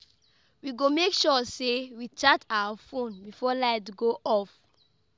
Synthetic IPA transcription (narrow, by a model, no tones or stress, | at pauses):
wiɡomekʃɔsewit͡ʃatʰawafõnbifɔlaɪtɡoʔɔf